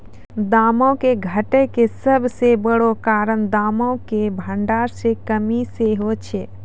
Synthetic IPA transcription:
d̪aːmõkeɡʱəʈekesəbʱsebəɽokaːɾəɳd̪aːmokebʱəɳɖaːɾsekəmiseɦot͡ʃʰe

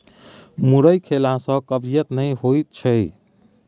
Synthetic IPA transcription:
muɾəjkʰelasə̃kəbɾijət̪nəjhojt̪̚t͡ʃʰəj

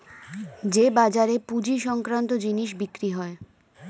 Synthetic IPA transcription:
d͡ʑebad͡ʑaɾepud͡ʑiʃɔŋkɾant̪od͡ʑiniʃ̬bikɾiɦɔe

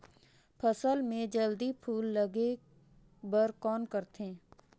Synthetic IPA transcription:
pʰəsəlmẽd͡ʒəld̪ipʰuːlːəɡe | bəɾkɔːnkəɾt̪ẽː

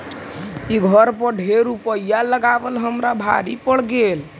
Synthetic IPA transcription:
iɡʱəɾpəɖʱeɾupəjːaləɡabəlɦəmɾabʱa̰ɾipəɽ̤ɡel

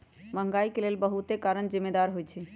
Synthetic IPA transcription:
bʱə̃ŋɡaikelelbəɦut̪ekaɾənd͡ʒimːed̪aɾɦojt͡ʃʰɛ

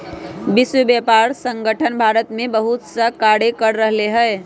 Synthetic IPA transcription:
biswəbjapaɾsə̃ŋɡəʈʰənbʱaɾət̪mebəɦut̪səkaɽekəɾɾəɦleɦəɪ

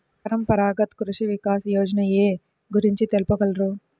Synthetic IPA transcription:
ɐɾɐmpɐɾaːɡɐt̪kɾuʂiʋikaːsɐjoːd͡ʒɐnɐeː | ɡuɾiɲt͡ʃit̪elupɐɡɐlɾu

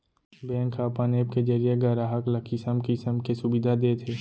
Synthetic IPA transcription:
bɛ̃ːŋkʰaːpaːneːb̚ked͡ʒəɾijeɡɐɾaːɦəklɐkʰisəmkisəmkesʊbɪd̪ʱad̪eːt̪ʰeː

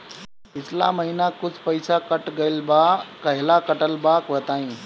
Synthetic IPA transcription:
pɪt͡ʃʰla̰mɐɦinakʊd͡ʑʱpɐɪsakɐʈɡəɪlbakɐɦɪlakɐʈəlbaːkʋɐt̪aːĩː

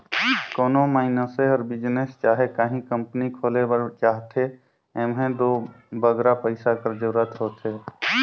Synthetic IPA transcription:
koːnomaːinəseɔːɾbɪd͡ʒnest͡ʃaːɦekaːɦĩkəmpnikʰoːlebət͡ʃaːɦt̪ʰe | ɛːmɦẽd̪oː | bəɡɾapəɪsakəɾd͡ʒəɾuɾət̪ɦoːt̪ʰe

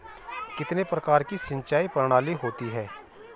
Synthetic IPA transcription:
kɪt̪nepɾəkaːɾkisɪ̃nt͡ʃaːipəɾɽ̃aːliɦoːt̪iɦɛː

